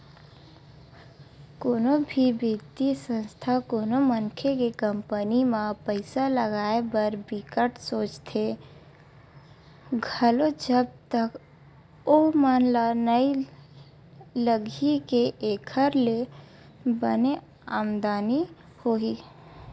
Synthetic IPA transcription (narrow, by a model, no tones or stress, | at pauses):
koːnobʱibɪd̪isə̃nst̪ʰakoːnoməŋkʰekekəmpənimãpəɪsaləɡaːebəɾbɪkəʈsoːt͡ʃt̪ʰe | ɡʱəlod͡ʒəb̚t̪ək | omanlanəi | ləɡʱikeʔeːkʰəɾle | bəne | aːmd̪aːni | hoɦi